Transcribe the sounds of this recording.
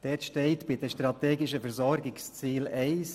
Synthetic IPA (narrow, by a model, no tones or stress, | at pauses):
d̥ɛːtʃtɛɪtb̥ɪdɛʃtɾɑt̪eːɡɪʃəfɛɾzɔɾɡɪkst͡siːlɛɪs